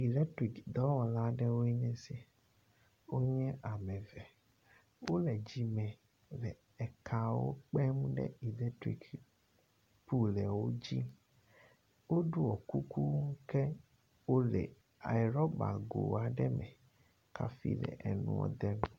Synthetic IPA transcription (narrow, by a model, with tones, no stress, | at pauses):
i˨lɛ˦tɾi˨kd̪ɔ˨˦wɔ˨la˦ɖɛ˦wo˦ɛ˦ɲɛ̃˦se˦ | wo˦ɲɛ̃˦ʔa˨mɛ̃˨vɛ˨ | wo˦lɛ˨d͡ʑi˦mɛ̃˨ | lɛ˨ | ɛ˨kʰa˨wo̰˦k͡pɛ˦m˦ɖɛ̰˦i˨lɛ˦tɾḭ˨k | pu˦lɛ˨wo˦d͡ʑi˦ | wo˦ɖu˦ɔ˨ku˦ku˦ŋ̩˦kɛ˦ | wo˦lɛ̰˨ | a̰˨i˨ɾɔ˦ba̰˨ɡo̰˨a˨ɖɛ˦mɛ̰̃˨ | ka̰˨fḭ˦lɛ̰˨ʔɛ˨nṵ̃˨wɔ̰˦d̪ɛ˦mũ˦